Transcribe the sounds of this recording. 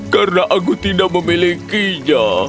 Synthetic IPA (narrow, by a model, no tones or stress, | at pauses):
kaɾənaʔak̬ut̪idaʔ̚məmilikiɲa